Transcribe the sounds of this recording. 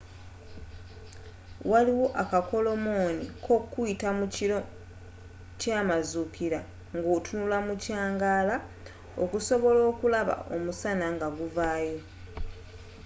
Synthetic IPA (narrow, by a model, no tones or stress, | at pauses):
waliwo̞ʔakako̞lo̞moːnikʰo̞kuitam | caːmazukiɾa | ŋɡoːtunulamucaːŋɡaːla | okuso̞βo̞lo̞ːkulaβa̰ʔo̞̰musanaŋɡaɡuvaːjo̞